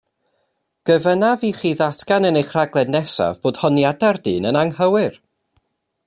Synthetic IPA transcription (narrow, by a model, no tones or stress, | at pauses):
ɡ̥əvənaviːχiːðatʰɡanənejχr̥aɡlˠɛdnɛsa̰vboːd̥hɔnjadardiːnənaŋhəwɪɨr